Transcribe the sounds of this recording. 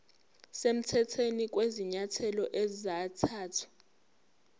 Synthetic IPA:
sem̩tʰɛtʰenik̬ʼweziɲatʰɛlɔʔezizatʰaːtʰḁ

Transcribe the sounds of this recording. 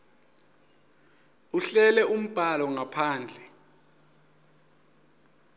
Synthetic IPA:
uɬɛlɛum̩b̥ʱalɔŋapʰaːnd͡ɮʱɛ

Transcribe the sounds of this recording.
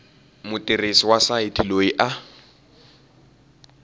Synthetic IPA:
mʊtʼɪresiwasaɪtʰiloiʔa

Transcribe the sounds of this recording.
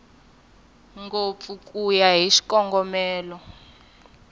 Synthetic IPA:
ŋɡofukʼujaɦiʃi̥kʼɔŋɡɔmɛːlɔ

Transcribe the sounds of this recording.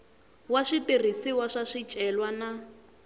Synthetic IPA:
waʂitir̤isiwaʂaʂit͡ʃʼɛlwana

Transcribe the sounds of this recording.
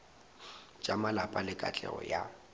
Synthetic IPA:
t͡ʃʼamalapʼalɪkʼat͡ɬʼɛ̰ɣɔ̰ja

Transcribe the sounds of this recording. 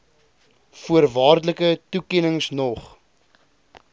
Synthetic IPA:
fuərvɑːrdələkətukɛnəŋsnɔχ

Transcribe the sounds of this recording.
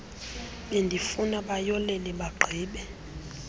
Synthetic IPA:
ɓendʱifunaɓajɔlɛlɛɓaɡ͡ǃʱiːɓɛ

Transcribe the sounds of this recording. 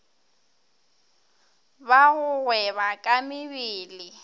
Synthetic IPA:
baɣʊɣwɛβakʼamɪβiːlɪ

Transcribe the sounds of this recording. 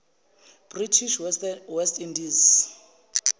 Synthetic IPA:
b̥ritʰiʃwɛstʼindiz

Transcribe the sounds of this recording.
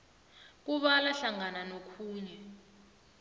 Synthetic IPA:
k̬uɓalaɬaŋananokʰuːɲɛ

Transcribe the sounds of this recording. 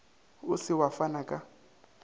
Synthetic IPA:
ʊsɪwafanakʼa

